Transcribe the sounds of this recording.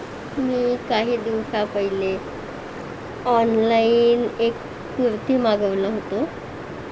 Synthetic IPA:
miːkaɦiːd̪iʋsapəɦile | ɔnlainek | puɾt̪iːmaɡəʋləɦot̪o

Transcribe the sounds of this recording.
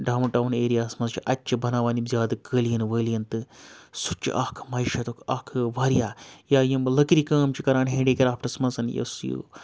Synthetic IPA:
ɖaːmnʈawneːɾijaːsmɐnzt͡ʃʰiʔɐtʲːt͡ʃibɐnaːʋaːnizʲaːd̪ɨkəːlijɐnʋəːlijɐnt̪ɨsut͡ʃḭʔaːkʰɨ̥mɐiʃɐt̪okʰa̰ːkʰɨʋaːɾjaːjaːjimlɐkɾikəːmt͡ʃikɐɾaːɳɦẽːɖiːkʲɐɾaːpʈɐsmɐnsɐnjɐ̰sjṵ

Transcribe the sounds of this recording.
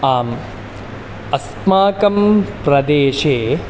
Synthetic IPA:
aːm | ɐs | maːkɐmpɾɐd̪eːʃeː

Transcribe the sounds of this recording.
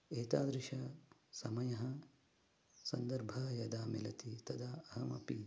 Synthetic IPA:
eːt̪aːd̪ɾɪʃɐsɐmɐjɐɦɐ | sɐnd̪ɐɾbʱɐjɐd̪aːmilɐt̪it̪ɐd̪aːɐɦɐmɐ̰pi

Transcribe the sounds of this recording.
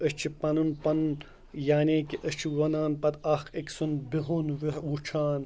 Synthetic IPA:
ət͡ʃʰipɐnunpɐn | jaːneːkiʔət͡ʃʰiwɐnaːnpɐt̪ɐkʰeksunbiɦunʋiwut͡ʃʰaːn

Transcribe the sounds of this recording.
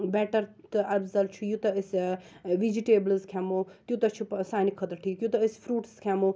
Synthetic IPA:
bɛːʈɐɾt̪ɨʔɐɾzɐlt͡ʃʰujut̪ɐɪsʋid͡ʒiʈeːblzkʰɛmot̪jut̪ɐt͡ʃʰupsaːnikʰɐt̪ɐʈʰiːkjut̪ɐɪsfɾuːʈskʰɛmo

